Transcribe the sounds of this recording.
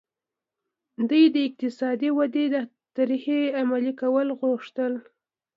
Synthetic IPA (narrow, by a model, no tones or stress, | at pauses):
d̪əjd̪əɪq̚t̪ɪsɑd̪iwad̪ed̪ə | t̪aɾiheamalikawəlɣʊʂt̪əl